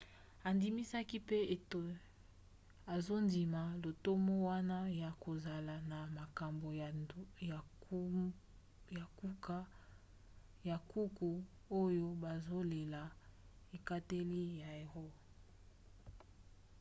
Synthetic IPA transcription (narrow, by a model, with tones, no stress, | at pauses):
a˨ndi˨mi˦sa˦ki˦pe˦e˨to˨ | a˨zo˦ndi˨ma˨lo˨to˦mo˦wa˦na˦ja˨ko˨za˨la˨na˨ma˨ka˨mbo˨j | ja˨ku˦ka˦ | ja˨ku˦ku˨ | o˦jo˦ba˨zo˦le˨la˨ | e˨ka˦te˦li˦ja˨e˨ʁɔ˦